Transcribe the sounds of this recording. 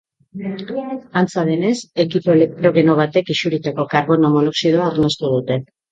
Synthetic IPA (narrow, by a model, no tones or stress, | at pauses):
ant͡saðe̞ne̞se̞kipoelek̚t̪ɾo̞ɣeno̞β̞at̪e̞kisuɾit̪ako̞kaɾɣo̞nomonoksið̞o̞aoɾnost̪uð̞ut̪e̞